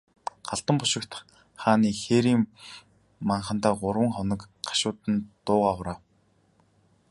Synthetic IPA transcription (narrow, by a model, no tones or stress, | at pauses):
ɢaɬt̪ə̆mpʊʃɪ̆kt̪ | χaːniːxeːɾiːmː | aɴχə̆n̥t̪aːɢʊrwə̆ŋχɔnɞ̆kɢḁʃʊːt̪ə̆nt̪ʊːʁaːχʊɾaː